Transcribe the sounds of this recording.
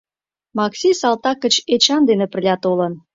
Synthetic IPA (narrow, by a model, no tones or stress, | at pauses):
mɑksʲisɑlt̪ɑkːə̆t͡ɕet͡ɕɑnd̪enĕpə̆lʲɑt̪olən